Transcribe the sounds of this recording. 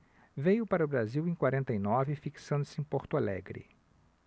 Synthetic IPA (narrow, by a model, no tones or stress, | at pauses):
vejʊpaɾɐʊbɾaziwẽj̃kwaɾẽnt̪ɐjnɔvɪfiksɐ̃nd̪ʊsɪẽpoɾt̪ʊalɛ̰ɡɾɪ̰